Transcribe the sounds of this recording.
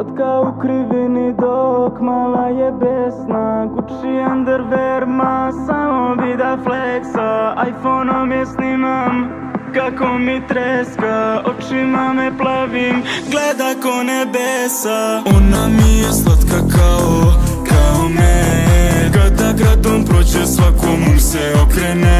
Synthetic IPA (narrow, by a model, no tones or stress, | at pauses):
at̪kaukɾiʋinid̪okmalajɛbesnakut͡ʃiand̪ɛɾʋɛɾmasamobid̪afleksaajfonomjɛsnimam | kakomit̪ɾɛeskaot͡ʃimamɛplˠaʋimɡled̪akonebesaonamijeslˠat̪kakaokaome | kad̪aɡɾad̪ompɾod͡ʑesʋakomuseokɾene